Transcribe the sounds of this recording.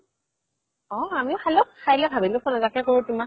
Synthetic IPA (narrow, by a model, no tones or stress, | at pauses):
ɔ̃amiʊxalɔkxajlɛbʱabilʊpʰɔnɔtakɛkoɹutʊma